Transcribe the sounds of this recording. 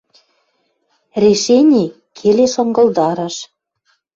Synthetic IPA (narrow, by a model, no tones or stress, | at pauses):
rʲeʃenʲi | kʰeleʃɤ̆ŋɡɤ̆ld̪ɑɾə̆ʃ